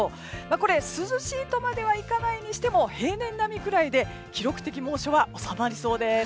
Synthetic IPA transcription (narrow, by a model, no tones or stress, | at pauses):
mako̞ɾe̞sɨzɨɕiːt̪o̞mad̪e̞βaikanaiɲ̟iɕi̥t̪e̞mo̞he̞ːnẽ̞nːamʲikɯ̟ɾaid̪e̞ | kʲiɾo̞kɯ̟̥t̪e̞kʲimõ̞ːɕo̞βao̞samaɾʲiso̞ːd̪e̞